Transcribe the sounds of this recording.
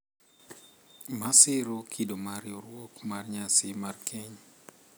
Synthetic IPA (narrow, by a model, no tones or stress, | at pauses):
masɪɾokʰidomaɾjoɾwokmarɲasɪmarkʰɪɲ